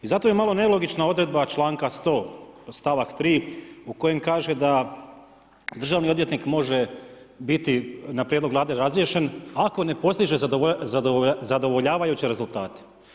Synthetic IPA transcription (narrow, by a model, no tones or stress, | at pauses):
izat̪o̞jemalo̞nelo̞ɡit͡ʃnao̞d̪ɾe̞d̪̚bat͡ʃlˠaːŋkast̪o̞ːst̪aʋakt̪ɾiːuko̞je̞mkaːʒe̞d̪a | d̪r̩ʒaːʋnio̞d̪ʋje̞t̪nikmo̞ʒe̞ | bit̪inapɾʲjed̪lo̞ɡlaːd̪e̞ɾazɾie̞ʃe̞nako̞ne̞po̞st̪iʒe̞zaozad̪o̞ʋo̞ʎaːʋajut͡ɕeɾe̞zulˠt̪aːt̪e̥